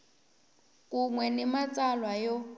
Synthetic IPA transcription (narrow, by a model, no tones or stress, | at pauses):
kʼuŋwɛnimat͡sʼalwajɔ